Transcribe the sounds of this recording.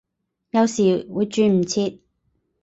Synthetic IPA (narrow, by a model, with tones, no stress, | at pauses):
jɐ˨˧wsiː˨˩wuː˨˧jt͡ʃyː˧m̩˨˩t͡sʰiː˧t̚